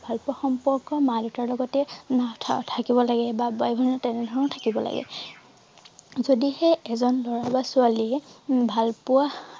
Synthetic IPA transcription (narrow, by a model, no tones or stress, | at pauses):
bʱalpʊaxɔmpɔɹkɔmalutaɹlɔɡɔtɛnatʰtʰakibɔlaɡɛbabɔjbʱɔnɔtɛnɛdʱɔɹɔnɔtʰakibɔla̰ɡɛ̰ | zodiheɛzɔnlɔɹabasualibʱalpʊa